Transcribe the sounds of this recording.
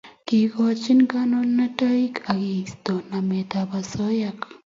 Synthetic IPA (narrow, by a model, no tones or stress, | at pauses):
kiɡɔt͡ʃinɡanɔnːataikaɡist̪ɔnamet̪abasɔjak